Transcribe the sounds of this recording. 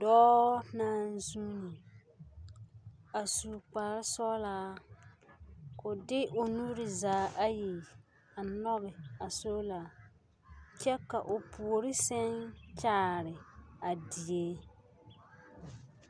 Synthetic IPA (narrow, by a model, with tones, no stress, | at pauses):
dɔː˦naː˦n˦zu˦ni˨ | a˨suː˨k͡paː˨ɾɪ˦sɔ˦laː˦ | ko˨dɪ˦ʔo˨nuː˦ɾɪ˨zaː˨˦ʔa˦ji˨ | a˨nɔ˦ɣɪ˨a˨so˦la˨ | t͡ʃɛ˦ka˨ʔo˨pʰu˨ɾɪ˦sɛ˦nt͡ʃaː˦ɾɪ˨a˨di˨e˦